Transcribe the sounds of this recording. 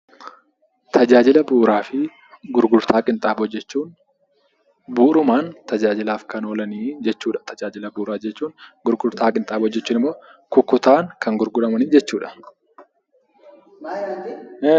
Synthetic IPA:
t̪ʰɐd͡ʒaːd͡ʒɪlɐbuːɾaːfɪ | ɡʊɾɡʊɾt̪ʰaːkʼɪnt̪ʼaːbɔd͡ʒːɛt͡ʃːuːn | buːɾʊmaːnt̪ɐd͡ʒaːd͡ʒɪlaːfkɐnoːlɐniːd͡ʒɛt͡ʃːuːᶑɐ̥t̪ʰɐd͡ʒaːd͡ʒɪlɐbuːɾaːd͡ʒɛt͡ʃːuːnɡʊɾɡʊɾt̪aːkʼɪnt̪ʼaːbɔd͡ʒːɛt͡ʃːuːnɪmːo̞ːkʊkːʊt̪aːŋkʰɐŋɡʊɾɡʊᶑɐmɐniːd͡ʒɛt͡ʃːuːᶑɐ̥

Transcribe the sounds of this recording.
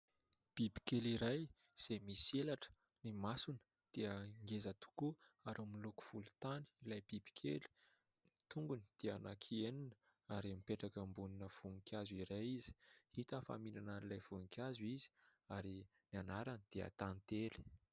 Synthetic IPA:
b̥ibi̥keliɾaj | z̥emiselaʈ͡ʂə̥ | nimasunə̥ | d̪̥eəŋɡezət̪u̥kuaɾamiluku̥v̥ulu̥t̪ani̥ilajb̥ibi̥kʰḛli̥ | nit̪uŋɡunid̪̥eanakʰieninə | aɾimipeʈ͡ʂakəmbuninəv̥uŋkʰʲjaziɾajizi̥hit̪afa̰minananilajv̥uŋikʲʰjazuizi̥aɾi | nanaɾanid̪̥eə̰t̪ant̪eli̥

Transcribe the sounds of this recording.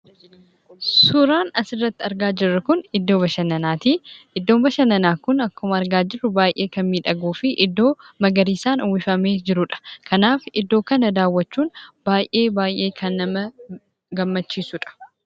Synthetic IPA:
sʊɾaːnɐsɪrːɐt̪ːɪɐɾɡaːd͡ʒɪrːɐkʊnɪd̪ːo̞ːβɐʃɐnɐnaːt̪iʔɪd̪ːoːmbɐʃɐnɐnaːkʊnɐkːʊmɐɾɡaːd͡ʒɪrːʊbaːjʔe̞ːkɐnmiːᶑɐɡuːfɪʔɪd̪ːo̞ːmɐɡɐɾiːsaːnʊwɪfɐmeːd͡ʒɪɾʊᶑɐ̥kʰɐnaːfɪd̪ːo̞ːkɐnɐd̪aːwːɐt͡ʃːuːnb̥aːjʔe̞ːbaːjʔe̞ːkʰɐnːɐmɐ | ɡɐmːɐt͡ʃːiːsʊᶑɐ̥

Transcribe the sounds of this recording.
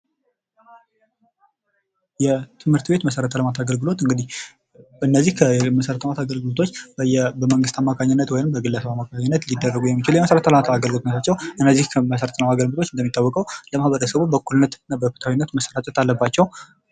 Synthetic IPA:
jɛt̪ʰɨmhɨɾt̪be̞t̪məsəɾət̪ʰələmat̪ʰaɡəlɡɨlo̞t̪ɨŋɡɨd̪ih | ɨnːəzːihkʰəməsəɾət̪ʰəmat̪ʰaɡəlɡɨlot̪ʰo̞t͡ʃːjɛbəməŋɡɨst̪ʰamːakʰaɲːɪnːət̪wɔjnɨmbəɡɨlːəsəβamːakaɲːɪnːət̪lid̪ːərːəɡujɛmːit͡ʃɪljɛməsəɾət̪ʰələmat̪ʰaɡəlɡɨlot̪net̪ʰat͡ʃːɛwʔɨnːəzːihkʰəməsəɾət̪ʰənəmaɡəlbɨt̪ʰo̞t͡ʃːɨnd̪əmit̪ʼːawːɔkʼəwləmahβəɾəsəβubəkːulnːət̪nːabəfɨt̪ʰawinːət̪məsəɾat͡ʃ̪ʼɛt̪alːəbːat͡ʃːɛw

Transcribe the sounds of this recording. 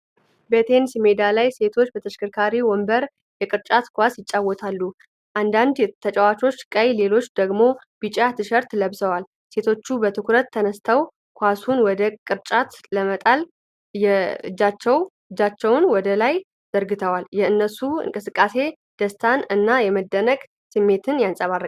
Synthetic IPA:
bət̪ʰe̞nsimed̪alajse̞t̪ʰo̞t͡ʃːbət̪ʰəʃkʰɨɾkʰaɾiwɔmbəɾ | jɛkʼɨɾt͡ʃʼat̪kʰʷasjɪt͡ʃʼːawːɔt̪ʰalːu | ʔand̪and̪t̪ʰət͡ʃʼəwat͡ʃʼo̞t͡ʃːkʼəjle̞lo̞t͡ʃːd̪əɡmo̞ | b̥ɨt͡ʃʼat̪ʰɨʃəɾt̪ləβsəwal | se̞t̪ʰo̞t͡ʃːubət̪ʰɨkʰuɾət̪ʰːənəst̪ʰaw | kʰʷasunwɔd̪əkʼɨɾt͡ʃʼat̪ləmət̪ʼal | jɛɨd͡ʒːat͡ʃːɛw | ɨd͡ʒːat͡ʃːɛwnwɔd̪əlaj | z̥əɾɡɨt̪ʰəwaljɛɨnːəsuɨ̰ŋkʼɨsɨkʼːase̞ | d̪̥əst̪ʰanɨnːajɛməd̪ːənəkʼ | sɨmːe̞t̪ʰɨnjansʼəβarə

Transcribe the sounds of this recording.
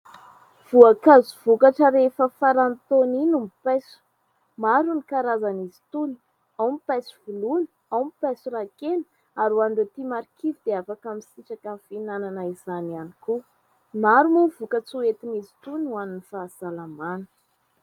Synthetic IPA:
v̥uakazuv̥ukaʈ͡ʂəɾefəfaɾant̪oninumipajsu̥ | maɾunikaɾazanizi̥t̪uni̥ | awmipajsu̥vulunə̥ | awmipasuɾakenə̥ | aɾuaɳɖ͡ʐet̪imaɾikivid̪eafakamisiʈ͡ʂakafinananaizanianiku | maɾumuvukət͡suet̪inizi̥t̪unuaninifasalamanə̥

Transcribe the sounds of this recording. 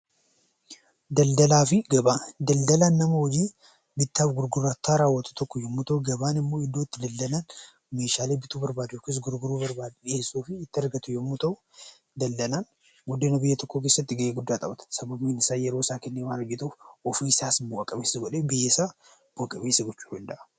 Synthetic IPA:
d̪ɐld̪ɐlaːfiɡɐbad̪ɐld̪ɐlanːɐmoɔd͡ʒi | bɪt̪ːabɡʊɾɡʊɾat̪ʰːaɾawɔt̪ʰʊ̥t̪ʰɔkːojɛmːʊt̪ʰɐwɡɐβaːnɪmːoːɪd̪ot̪ːd̪ɐld̪ɐlan | meʃaːlebɪt̪ʰubɐɾbaːd̪okɪs̬ɡʊɾɡʊɾubɐɾbaːd̪bjɛsoːfiɪt̪ːɐɾɡɐt̪ʰʊjɛmːut̪ʰɐw | d̪ɐld̪ɐlan | ɡʊd̪ːenɐbɪjːɛt̪ʰɔkːokeːsːɐt̪ːɪɡɐjɛɡʊd̪ːat̪ʼɐbɐt̪sɐbɐmenɪsajɛɾoːsaːkɛnːewanɐd͡ʒɪt̪ofɔfisaːsbɐkʼɐbesɡɔᶑebɪjɛsa | b̥ʊkʼɐbeːsɪɡɔt͡ʃːu̥ʊld̪a

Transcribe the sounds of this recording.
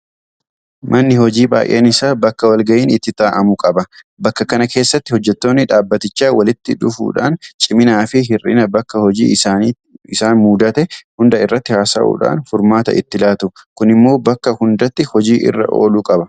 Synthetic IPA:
mʔɐnːɪhɔd͡ʒiːba̰ːjʔḛːnɪsaːbɐkːɐwɐlɡɐʔiːnɪt̪ːɪt̪aːʔɐmʊkʼɐbɐ | bɐkːɐkɐnɐke̞ːsːɐt̪ːɪhɔd͡ʒːɛt̪ːo̞ːnːɪᶑaːbːɐt̪ɪt͡ʃːaːwɐlɪt̪ːɪᶑʊfṵːᶑa̰ːnt͡ʃʼɪmɪnaːfɪɦɪrɪ̰nɐbɐkːɐhɔd͡ʒḭː | ɪsaːnmuːd̪ɐt̪ɛhʊnd̪ɐɪrːɐt̪ːɪhaːsɐ̰ʔṵːᶑa̰ːnfʊɾmaːt̪ɐ̰ʔɪt̪ːɪlaːt̪ʊkʊnɪmːo̞ːbɐkːɐhʊnd̪ɐt̪ːɪhɔd͡ʒiːʔɪ̰rːɐ̰ʔo̞̰ːluːkʼɐbɐ

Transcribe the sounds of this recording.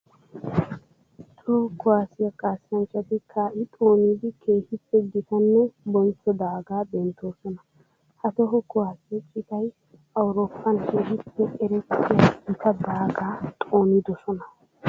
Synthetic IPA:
t̪ʰɔkʊwaːsɪjɐkʼaːsɐnt͡ʃːɐt̪ɪkʰaːʔɪt̪ʼoːniːd̪ɪkʰe̞ːhɪpːɛɡɪt̪ɐnːɛbɔnt͡sːɔd̪aːɡaːbɛnt̪ʰoːsɔnɐ | hɐt̪ɔɦɔkʊwaːsɪɛt͡ʃʼɪt̪ɐj | ʔɐwʊɾoːpʰːɐnkʰeːɦɪpːɛɛɾɛtːɛɡɪt̪ʰɐd̪aːɡaːt̪ʼoːnɪd̪ɔsɔnɐ

